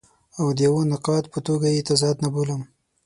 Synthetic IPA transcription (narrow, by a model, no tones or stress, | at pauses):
awd̪əjawonɪqɑt̪pət̪oɡajet̪azɑd̪naboləm